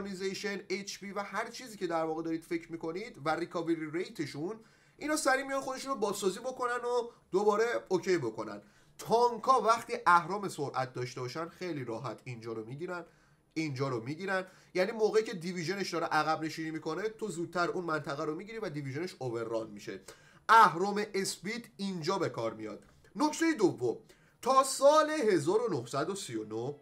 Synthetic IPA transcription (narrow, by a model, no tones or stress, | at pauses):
nizejʃenet͡ʃʰpiːvæhæɾt͡ʃʰiːziːcʰe̞d̪æɾvɒːɣed̪ɒːɾiːd̪̥fe̞cʰɾmiːkʰo̞nid̪væɾikʰɒːveɾiɾejt̪ʰe̞ʃun | ʔinɒːsæɾimijɒnxo̞d̪e̞ʃunobɒːzsɒːziːbo̞ko̞næno | d̪obɒːɾe̞ocʰejbo̞ko̞næ̰n | t̪ʰɒŋkʰɒvæxt̪iːʔæhɾɒːme̞soɾʔæt̪̚ʰd̪ɒːʃt̪ebɒːʃænxe̞jliɾɒːɦæt̪ʰind͡ʒɒːɾomiɟiɾæn | ind͡ʒɒːɾomiːɟiːɾænd̪ | jæniːmoːɣeicʰe̞d̪iviʒe̞neʃd̪ɒːɾeʔæɣæbne̞ʃiːnimikʰo̞ne̞t̪ʰo̞zuːd̪̥̚t̪ʰːæɾuːnmænt̪ʰæɣæɾomiɟiɾivæd̪iviʒe̞neʃove̞rːɒnmiʃe̞̰ | æhɾɒːme̞ʔesbit̪ind͡ʒɒːbe̞kʰɒːɾmijɒ̰d̪̥ | no̞ct̪ʰe̞jed̪ovːom | t̪ʰɒːsɒːle̞ɦe̞zɒːɾo̞nohsæd̪osijonoh